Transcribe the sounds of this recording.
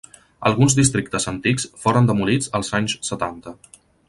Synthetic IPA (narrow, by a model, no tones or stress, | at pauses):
ə̰lˠɣunzd̪ist̪ɾik̚t̪əzənt̪iksfoɾənd̪əmulid͡zəlˠzaɲssət̪ant̪ə